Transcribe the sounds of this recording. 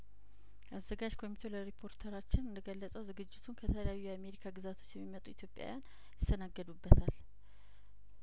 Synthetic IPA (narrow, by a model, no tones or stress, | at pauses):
ʔazːəɡad͡ʒkʰo̞mit̪ʰe̞ləɾipʰo̞ɾt̪ʰəɾat͡ʃːɪnɨnd̪əɡəlːəsʼəwzɨɡɨd͡ʒːɪt̪ʰunkʰət̪ʰələjajːujɛame̞ɾikʰaɡɨzat̪ʰo̞̥t͡ʃːjɛmːimət̪ʼuit̪ʰjopʼja̰wjan | jɪst̪ʰənaɡːəd̪ubːət̪ʰal